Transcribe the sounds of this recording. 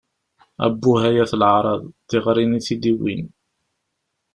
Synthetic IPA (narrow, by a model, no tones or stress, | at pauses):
æ̰bːuɦæjæθlʕɾˤɑðˤt̪ːɪʁɾiniθid̪iwḭn